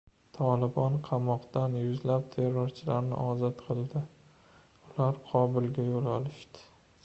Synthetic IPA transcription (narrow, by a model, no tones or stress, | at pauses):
t̪ʰɒlɪbɒnqʰɑmɒqt̪anjʊzlap̚t̪ʰe̞ɾːɒɾt͡ʃʰɪlaɾnɪ̰ʔɒzat̪qʰɨlˠd̪ɪ | ʊlaɾqʰɒbɪlɡʲajolɒlɪʃt̪ɪ̥